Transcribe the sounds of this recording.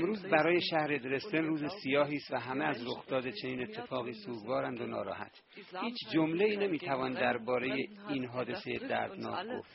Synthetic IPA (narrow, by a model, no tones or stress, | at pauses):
mɾuːzbæɾɒːje̞ʃæhɾe̞d̪ɾe̞st̪enruːzesijɒːɦiːst̪væɦæmeæzɾoxd̪̥ɒːd̪et͡ʃʰe̞niːne̞t̪ʰːe̞fɒːɣiːsuːɡvɒːɾænd̪onɒ̰ːɾɒ̰ːhæ̰t̪ʰ | hiːt͡ʃʰd͡ʒomleiːne̞miːt̪ʰævɒːnd̪æɾbɒːɾe̞jeiːnɦɒːd̪e̞seje̞d̪æ̰ɾd̪nɒ̰ːkʰɡo̰ft̪